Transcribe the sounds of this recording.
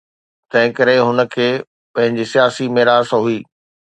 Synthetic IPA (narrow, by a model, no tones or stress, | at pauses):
t̪ɐ̃ɦɪ̃kɐɾeɦʊnə̆kʰeː | pɐ̃ɦɪ̃ɲd͡ʑisijaːsimeːɾaːsɦuiː